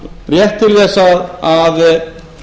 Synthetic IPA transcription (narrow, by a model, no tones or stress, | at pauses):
rjɛht̪ʰːɪlθɛsaðað